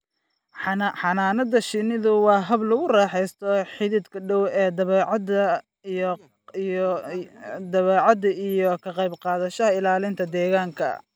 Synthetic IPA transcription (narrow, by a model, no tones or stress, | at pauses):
ħɑnaːnɐd̪ɐʃɪnɪðʊwɑːɦɐblɐɣʊrɑːħɛjst̪ʰɔħɪðid̪kʰɐɖɔwɛːd̪ɐɐ | d̪ɐβɛːʕɑd̪ɐijɔkʰɐqɑjbqɑːðɐʃɐɦɐɪlaːlɪnt̪ʰɐd̪ɛːɣaːŋkʰɐ̰